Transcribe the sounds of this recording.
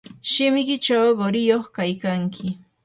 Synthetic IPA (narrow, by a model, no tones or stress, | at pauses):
ʃɪmɪkɪt͡ʃawɢoɾɪjoχkajkaŋkʰɪ